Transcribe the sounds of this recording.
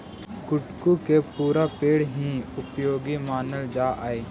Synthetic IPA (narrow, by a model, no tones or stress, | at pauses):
kʊʈkukepuːɾapeːɽɦĩʊpjoːɡimaːnəld͡ʒaːʔaːeː